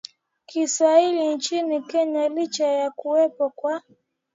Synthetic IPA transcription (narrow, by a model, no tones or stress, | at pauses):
kisailin̩t͡ʃinikɛɲalit͡ʃajakuwɛpɔkwa